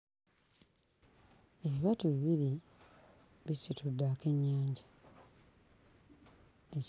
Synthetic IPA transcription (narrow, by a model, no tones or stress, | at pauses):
eβiβatuβiβili | βisitudːaːke̞ɲːaːɲɟa | e